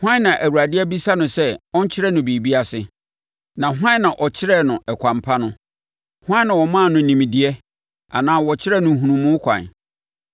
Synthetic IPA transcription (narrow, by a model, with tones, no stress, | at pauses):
hʷwã˦nã˨ʔæ˨wu˨ɾa˨dɪ˦ɛ˦bi˦sa˦nʊ̃˨sɛ˦ɔ̃˦ɲ˦t͡ɕʰɪ˦ɾɛ˦nʊ̃˨bi˨bi˦a˦sɪ˨ | nã˨ɦwã˦nːã˨ʔɔ˨t͡ɕʰɪ˦ɾɛ˦nʊ̃˨ɛ˨kʷʰã˨mpʰa˦nʊ̃˦ | hã˦nã˨wɔ˨mã˦˨nʊ̃˨nĩ˨mĩ˨dɪ˨ɛ˦ | a̰˨nãː˦wɔ˨t͡ɕʰɪ˦ɾɛ˦˨nʊ̃˨ɦũ˨nũ˨mːʊ̃˦kʷʰã̰˨n